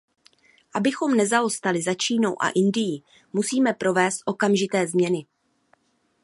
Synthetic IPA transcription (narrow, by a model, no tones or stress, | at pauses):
ʔabɪxo̞mnɛzao̞st̪alɪzat͡ʃiːno̞wʔa̰ʔɪndɪjɪ | musiːmɛpɾo̞vɛːst̪̚ʔo̞kamʒɪt̪ɛːzmɲɛnɪ